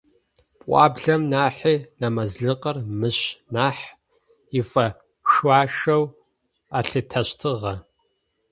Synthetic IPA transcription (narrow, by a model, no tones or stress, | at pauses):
pʷʼɑ̰ːbɮɐmnaːħiːnɐmɐzɮɨqʼɐrmɨɕnaːħ | ifʼɐ | ʃwɑːʃɐw | aɬɨtʰɐɕtʰɨʁɐ